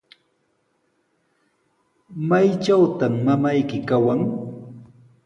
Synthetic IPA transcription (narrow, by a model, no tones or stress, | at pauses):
majt͡ʃawt̪amːamajkɪkawaŋ